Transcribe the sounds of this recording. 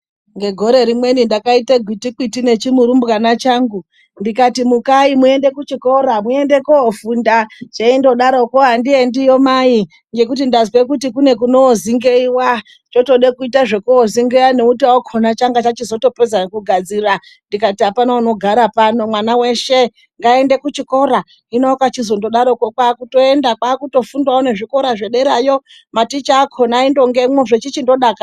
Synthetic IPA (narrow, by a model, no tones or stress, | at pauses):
ŋɡe̞ɡʱo̞ɾe̞ɾimwe̞nindakaiteɡʱwitik͡pitine̞t͡ʃimuɾumbɣanat͡ʃaŋɡu | ndikatimukaimue̞nde̞kut͡ʃiko̞ɾamue̞nde̞koofundat͡ʃeindo̞ɗaɾokoɦandiendijomai | ŋɡe̞k̬utindazwe̞kutikune̞kuno̞ːziŋɡeiwa | t͡ʃo̞to̞ɗekuitaʐe̞kuoziŋɡeaneutiwaokʰonat͡ʃaŋɡat͡ʃat͡ʃizo̞to̞pezankuɡʱad͡zira | ndikatiɦapanaono̞ɡʱaɾapano̞mwanawe̞ʃe̞ | ŋɡae̞nde̞kut͡ʃiko̞ɾa | inokat͡ʃizo̞ndo̞ɗaɾo̞kokwaːkuto̞e̞ndakwaːkuto̞fundwaone̞ʐiko̞ɾaʐeɗe̞ɾajo̞ | matit͡ʃaːkʰonaindo̞ŋɡe̞moʐet͡ʃit͡ʃindo̞ɗaka